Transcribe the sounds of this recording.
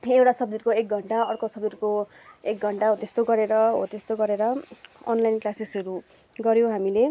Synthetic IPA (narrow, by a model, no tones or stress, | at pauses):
ewʈasʌb̚d̪irkoek̚ɡʱʌɳʈaʌrkosʌbd̪irko | ek̚ɡʱʌɳʈaɦot̪est̪oɡʌɾeɾʌɦo̰t̪est̪oɡʌɾeɾʌʌnlajnklasisʌɾu | ɡʌɾjõɦamile